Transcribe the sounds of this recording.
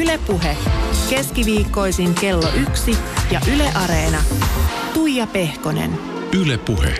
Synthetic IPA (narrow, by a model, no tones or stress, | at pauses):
ylepːuɦeke̞skiʋiːkːo̞jsiŋke̞lːoʔyksijɑʔyleʔɑɾeːnɑ | t̪ujjɑpe̞hko̞nḛn | ylepuhḛ